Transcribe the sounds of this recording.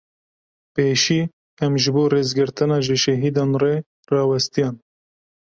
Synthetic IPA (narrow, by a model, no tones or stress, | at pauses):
peːʃiː | ɛmʒɨboːreːzɡɨɾt̪ɨnɑːʒɨʃɛɦiːd̪ɑːnre | rɑːwɛst̪ijɑːn